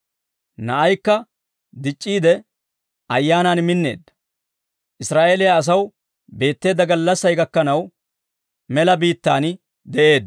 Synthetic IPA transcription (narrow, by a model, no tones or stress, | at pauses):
nɐʔɐjkːɐ | d̪ɪt͡ʃʼːiːd̪ɛ | ɐjːaːnaːnmɪnːe̞ːd̪ːɐ̥ | ʔɪsɾaːʔeːlɪjaːs̬ɐw | be̞ːt̪ːe̞ːd̪ːɐɡɐlːɐsːɐjɡɐkːɐnɐw | mɛlɐbiːt̪ːaːn | d̪ɛʔe̞ːd̪